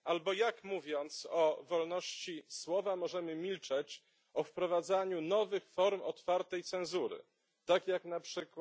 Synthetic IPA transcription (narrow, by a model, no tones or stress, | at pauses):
albɔjakmuvʲjɔnt̪sɔvɔlnɔɕt͡ɕiswɔvamɔʐɛmɘmʲilt͡ʂɛt͡ɕ | ɔfpɾɔvad̪zaɲunɔvɘxfɔɾmɔt̪faɾt̪ɛjt̪sɛ̃ñzuɾɘ̰ | t̪akjaknapʂɘk